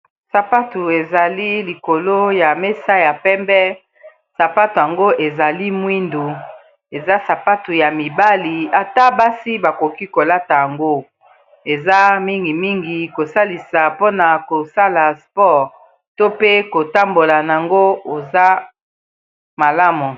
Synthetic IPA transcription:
sa˨pa˦tu˨e˨za˨li˦li˨ko˨lo˦ja˨me˦sa˦ja˨pɛ˦mbɛ˦ | sa˨pa˦tu˨ja˨ŋɡo˦ʔe˨za˨li˦mwi˦ndu˨ | e˨za˦sa˨pa˦tu˨ja˨mi˨ba˦li˨a˨ta˦ba˦si˦ba˨ko˨ki˦ko˨la˦ta˨ja˨ŋɡo˦ | e˨za˦mi˦ŋɡi˨mi˦ŋɡi˨ko˨sa˦li˨sa˨po˦na˨ko˨sa˦la˨spɔ˦˨ʁ | to˦pe˦ko˨ta˦mbo˨la˨na˨a˨ŋɡo˦o˨za˦ | ma˨la˦mu˨

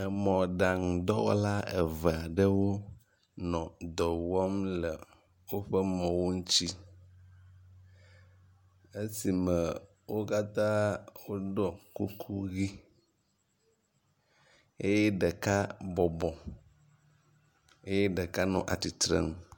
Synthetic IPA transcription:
ə˨mɔ̃˨ɖa˨ŋ˨d̪ɔ˦wɔ̰˦la˦e˨və˨a˨ɖə˦wo˦ | nɔ̃˨d̪ɔ˨wɔ˦mlə˨ | wo˦ɸə˦mɔ̃˨wo˦ŋu˦t͡ɕi˦ | e˦si˨mə˨ | wo˦ka˦t̪ã˦wo˦ɖɔ˨ku˦kʰu˦ɣi˦ | e˦jɛ˦ɖə˨ka˦bɔ˨bɔ̃˨ | e˦je˦ɖə˨ka˦nɔ̰̃˨ʔa̰˨t̪i˨t̪ɾə̰˦˨ŋ˦

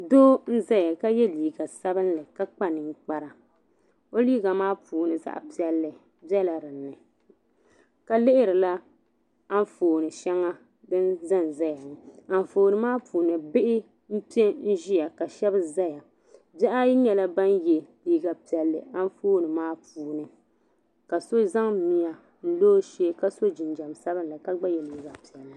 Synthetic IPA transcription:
doː˦n̩˦za˦ja˨ka˦jɛ˦liː˨ɡa˨sa˦bɨ˦n˦lɨ˨ka˦k͡pa˦nɨ˨ŋ˦k͡pa˦ɾa˨ | o˦liː˦ɡa˨maː˦pʰuː˨nɨ˨za̰˨ʔpi˦ɛ˦lːɨ˨ | bɛ˦la˨ɾɨ˨nːɨ˨ | ka˨lɪ˦ʔɪ˦ɾɨ˨la˦ | a˦ɱ˦foː˨nɨ˨ʃɛ˦ŋa˦ | dɨ˦nza˦n˨za˦ja˨a˨ɱ˨foː˨nɨ˨maː˦pʰuː˨nɨ˨bɪ˦ʔɪ˦ | m̩˦pi˦ɛ˦n̩˦ʒi˦ja˨ka˨ʃɛ˦bɨ˦za˦ja˨ | bɛ˦ʔa˦ji˦ɲɛ˨la˦ba˦njɛ˨liː˦ɡa˨pi˨ɛ˨lːɨ̰˨ʔa˦n˦foː˦nɨ˨maː˦puː˨nɨ˨ | ka˨so˦za˦ŋmi˨ja˨ | n̩˦loː˦ʃeː˦ka˦so˦d͡ʒɪ˨nd͡ʒa˨msa˦βɨ˦nla˨ka˦ɡ͡ba˦jɛ˨liː˨˦ɡa˨pi˨ɛ˨lːɨ˨

